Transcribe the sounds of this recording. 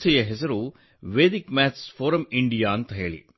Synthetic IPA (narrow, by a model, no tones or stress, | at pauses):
sɐjɐɦesɐɾu | ʋeːd̪ikmæːt̪sfoːɾɐmiɳɖijaːɐnt̪ɐɦeːɭḭ